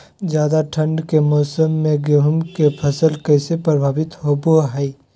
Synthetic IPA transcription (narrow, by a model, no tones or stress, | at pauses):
d͡ʒjaːd̪aʈʰə̃ɳɖkemɔːsəmːẽɡeɦʊmkepʰɐsəlkɛːsepɾəbʱaːbɪt̪ɦoboɦɛi